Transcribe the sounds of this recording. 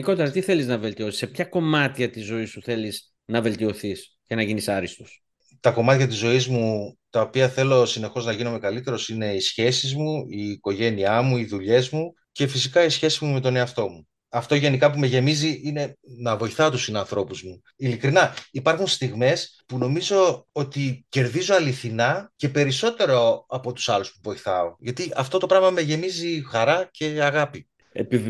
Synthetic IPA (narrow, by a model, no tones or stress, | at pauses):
iko̞t̪eɾɐt̪iθe̞liznɐve̞lt̪io̞si̥sepçɐko̞mɐt̪çɐt̪izo̞isuθe̞lis | nɐve̞lt̪io̞θis | ce̞nɐʝinisɐɾist̪us | t̪ɐko̞mɐt̪çɐt̪izo̞izmut̪ɐopiɐθe̞lo̞sine̞xo̞znɐʝino̞me̞kɐlit̪e̞ɾo̞sine̞isçe̞sizmuiːko̞ʝe̞niɐmuiðuʎe̞zmu | ce̞fisikɐisçe̞sizmume̞t̪o̞ne̞ɐft̪o̞mu | ɐft̪o̞ʝe̞nikɐpume̞ʝe̞miziʔine̞nɐvo̞iθɐot̪usinɐnθɾo̞puzmu | ilikɾinɐipɐɾxunst̪iɣme̞spuno̞mizo̞ot̪ice̞ɾðizo̞ɐliθinɐce̞pe̞ɾiso̞t̪e̞ɾo̞ɐpo̞t̪u̥sɐluspuvo̞iθɐo̞ʝɐt̪iɐft̪o̞t̪o̞pɾɐvmɐme̞ʝe̞mizixɐɾɐce̞ɐɣɐpi | ḛpi